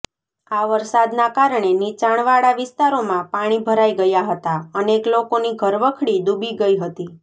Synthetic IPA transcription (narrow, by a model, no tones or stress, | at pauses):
aʋəɾsad̪nakaɾɳenit͡ʃaɳ̃ʋaɽaʋɪst̪aɾomãpaɽ̃ibʱəɾaiɡəjaɦət̪aəneklokoniɡʱəɾʋəkʰɽid̪ubʱiɡəiɦət̪i